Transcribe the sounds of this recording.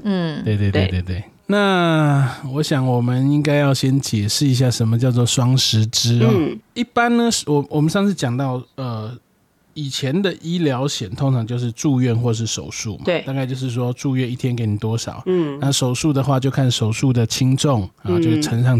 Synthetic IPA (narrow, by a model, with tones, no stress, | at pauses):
t̪we˥˧ɪt̪we˥˧t̪we˥˧e˥˧ɪt̪we˥˩ɪ | na˥˨ | wɔ˧˦ɕjɑ˨˩ŋwɔ˨˩mə˨˦ni˦ŋka˥ɪjɑ˥˩ʊɕjɛ˦nt͡ɕjɛ˨˩ʂɻ̩˥˩i˧˥ɕ̬ja˥˩ʂə˧˦nmə˧t͡ɕjɑ˥˧ʊt͡sɔ˥˩ʂwɑ˥ŋʂɻ̩˧˥ʈ͡ʂɻ̩˦˥˩i˥˩pa˦nnə˨˩wɔ˨wɔ˨mə˨˦nʂɑ˥˧ŋʂɻ̩˥˩t͡ɕjɑ˨˩ŋt̪ɑ˥˩ʊə˩ | i˨˩t͡ɕʰjɛ˨˧˦nd̪ə˨ʔi˦˥ljɑ˧˦˥ʊɕjɛ˨˩nt̪ʰo˥ŋʈ͡ʂʰɑ˧˥ŋt͡ɕjo˥˧ʊʂ̬ɻ̩˥˧ʈ͡ʂu˥˧ɥɛ˥˨nxwɔ˥˧˩ʂ̬̩˥˩ʂo˨˩ʊʂṵ˥˩ma̰˨˦˧ta˥˧ka˥˧ɪt͡ɕjo˥˧ʊʂ̬ɻ̩˥˩ʂ̬wɔ˦ʈ͡ʂu˥˧ɥɛ˥˧ni˥˩t̪ʰjɛ˦nke˧˥ɪni˨˩t̪wɔ˥ʂɑ̰˨˩˦ʊnna˥˨ʂo˨˩ʊʂu˥˩d̪ə˨xwa˥˧t͡ɕjo˥˧ʊkʰa˥˩nʂo˨˩ʊʂu˥˩d̪ə˩t͡ɕʰi˥ŋʈ͡ʂo˥˨ŋa˨t͡ɕo˥˧ɡʈ͡ʂʰə˧˥ŋʂɑ˥˩ŋ